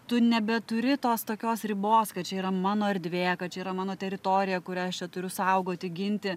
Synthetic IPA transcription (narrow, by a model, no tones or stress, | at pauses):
t̪ʊnʲɛbʲɛt̪ʊɾʲɪt̪oːst̪oːkʲoːsɾʲɪboːskɐt̪t͡ʃʲɛiːɾɐmɑːnoːɐɾʲd̪ʲʋʲeːjɛkɐt̪̚t͡ʃʲɛiːɾɐmɑːnoːt̪ʲɛɾʲɪt̪oːɾʲɪjɛkʊɾʲɛɐʃt͡ʃʲɛt̪ʊɾʲʊsɐʊɡoːt̪ʲɪɡʲɪnʲt̪ʲɪ